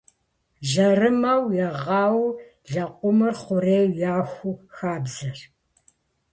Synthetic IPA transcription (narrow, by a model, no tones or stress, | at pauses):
ʒɐrɨmɐwjɛʁɑːw | ɮɐqʷʼʊmɨrχʷʊreːwjaːxʷuxaːbzɐr